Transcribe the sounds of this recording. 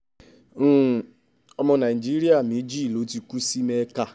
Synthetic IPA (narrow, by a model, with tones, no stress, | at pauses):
ɔ˦mɔ˦na˨d͡ʒi˦ɾi˦a˨mi˨˦d͡ʒi˦˨lo˨˦ti˦ku˦si˦me˦ka˦˨